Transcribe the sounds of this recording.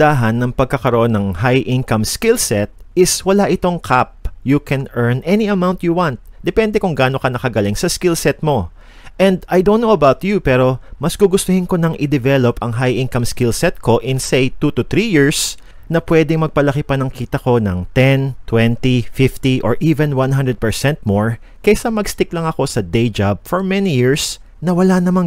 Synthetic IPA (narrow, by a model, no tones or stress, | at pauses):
d̪aɦɐnːɐŋpɐɡ̚kɐkɐɾoʔo̞nːɐŋɦajʔɪ̃ŋkɐmskilsɛt̪̚ɪswɐlaʔɪt̪o̞ŋkʰap̚jukɛnʔɛɹnʔɛniɐmawnt̪juwant̪̚d̪̥ɛpɛnd̪ɛkʊŋɡaːno̞kɐnɐkɐɡɐlɪŋsɐskɪlsɛt̪̚mo̞ | ʔɛ̃nd̪ajd̪ow̃nnːowɐbawt̪jupɛːɾo̞mɐsɡ̥uɡʊst̪ʊhɪnko̞nɐŋʔɪd̪ɛvɛlopɐŋɦajʔɪ̃nkɐmskɪlsɛt̪̚ko̞ʔɪnsejt̪ut̪ʊt̪ɾijiɹs | nɐpwɛd̪ɪŋmɐɡ̚pɐlɐkipɐnɐŋkiːt̪ɐko̞nɐŋt̪ɛnt̪wɛnt̪ifɪft̪iʔo̰ɹʔivɛ̃nwãnɦãnd̪ɾɛd̪̚pɛɹsɛ̃nt̪̚moɹ | kɐjsɐmɐɡst̪ɪklɐŋɐko̞sɐd̪ejd͡ʒab̚foɹmɛnijiɹs | nɐwɐlanɐmaŋ